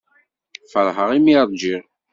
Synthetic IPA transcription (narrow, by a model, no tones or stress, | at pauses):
fəɾˤɦəʁimiɾˤd͡ʒiʁ